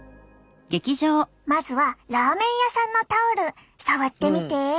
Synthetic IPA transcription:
ɡ̥e̞kʲiʑoː | mazɨβaɾaːmẽ̞ɰ̃jasãnːo̞t̪aoɾɯ̟ | saβat̪ːe̞mʲit̪e̞

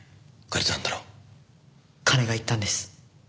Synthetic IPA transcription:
kaɾʲet̪nãnd̪aɾoː | kʰaɾe̞ɡait̪ːãnd̪e̞sɨ̥

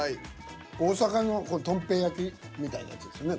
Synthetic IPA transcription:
i | oːsakanokot̪õ̞mpe̞ːjakʲi | mʲit̪aḭna̰ja̰t͡sɨd̪e̞sɨjone

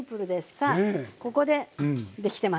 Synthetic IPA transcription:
pɯ̟ɾɯ̟d̪esɨ̥sako̞ko̞d̪e̞d̪e̞kʲi̥t̪e̞ma

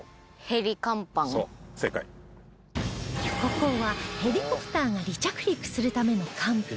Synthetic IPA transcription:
he̞ɾʲikãmpãŋoseka̰i | ɕo̥koko̞ːβahe̞ɾʲiko̞pɯ̥t̪aːŋaɾʲit͡ɕakɯ̟ɾʲikɯ̟̥sɨɾɯ̟t̪ame̞no̞kʰãmpɯ̟

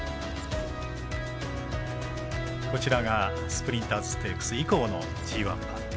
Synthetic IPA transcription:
ko̞t͡ɕiɾaɡa | sɨ̥pɯ̟ɾʲĩnt̪azɨ̥t̪ekːɯ̥sɨiko̞ːno̞ | d͡ʑiːβãmba̰

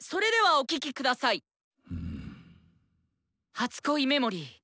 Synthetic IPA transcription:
so̞ɾe̞d̪e̞βao̞kʲikʲikɯ̟d̪asai | hat͡sɨ̥ko̞ime̞mo̞ɾʲi

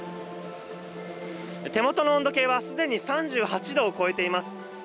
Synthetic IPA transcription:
t̪e̞mo̞t̪o̞noond̪o̞ke̞ːβasɨd̪e̞ɲ̟isãɲ̟d͡ʑɨːhat͡ɕid̪o̞ːko̞e̞t̪e̞imasɨ̥

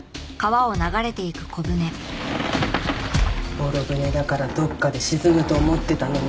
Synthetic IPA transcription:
kaβao̞naɡaɾe̞t̪e̞ikɯ̟̥kʰo̞bɯ̟ne̞ | boɾobɯ̟ne̞d̪akaɾad̪o̞kːad̪e̞ɕizɨŋɯ̟t̪o̞ːmo̞t̪ːe̞t̪anon

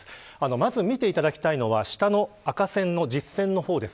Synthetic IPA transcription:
ano̞mazɨmʲit̪e̞it̪ad̪akʲi̥t̪aino̞βaɕi̥t̪ano̞akasẽ̞nːo̞d͡ʑisːẽ̞nnːo̞ho̞ːd̪e̞s

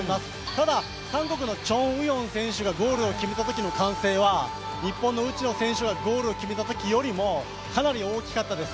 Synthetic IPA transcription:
masɨ̥ | t̪ad̪a | kãŋko̞kɯ̟no̞t͡ɕõ̞ɯ̟jõ̞ɰ̃sẽ̞ɰ̃ɕɨɡaɡo̞ːɾɯ̟o̞kʲime̞t̪at̪o̞kʲino̞kãɰ̃se̞ːβa | ɲ̟ipːõnːo̞ɯ̟t͡ɕino̞sẽ̞ɰ̃ɕɨɡaɡo̞ːɾɯ̟okʲime̞t̪at̪o̞kʲijo̞ɾʲimo̞ | kanaɾʲio̞ːkʲi̥kat̪ːad̪e̞sɨ̥

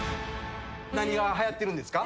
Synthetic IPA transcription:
naɲ̟iɡaɦajat̪ːe̞ɾɯ̃nd̪e̞sɨ̥ka

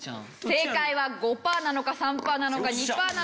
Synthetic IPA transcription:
se̞ːkaiβaɡo̞paːnano̞kasãmpaːnanokaɲ̟ipaːna

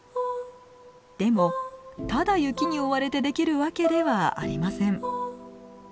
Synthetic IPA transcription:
d̪̥e̞mo̞t̪ad̪ajɯ̟kʲiɲ̟io̞βaɾe̞t̪e̞d̪e̞kʲiɾɯ̟βake̞d̪e̞βaa̰ɾʲimasẽ̞ɴ

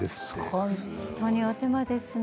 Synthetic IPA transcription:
esont̪ʰoɲʲiot̪emad̪esɨ

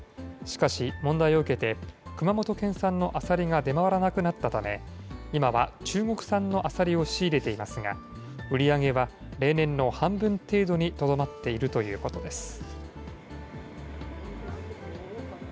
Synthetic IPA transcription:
ɕi̥kaɕimõnd̪aio̞ɯ̟ke̞t̪e̞kɯ̟mamo̞t̪o̞kẽ̞ɰ̃sãnːo̞ʔasaɾʲiŋad̪e̞maβaɾanakɯ̟nat̪ːat̪ame̞imaβat͡ɕɨːɡo̞kɯ̟̥sãnːo̞ʔasaɾʲio̞ɕiːɾe̞t̪e̞imasɨŋa̰ | ɯ̟ɾʲiaɡe̞βa | ɾe̞ːnẽ̞nːo̞hãmbɯ̟̃nt̪e̞ːd̪o̞ɲ̟it̪o̞d̪o̞mat̪ːe̞iɾɯ̟t̪o̞jɯ̟̰ːko̞t̪o̞d̪e̞sɨ̥

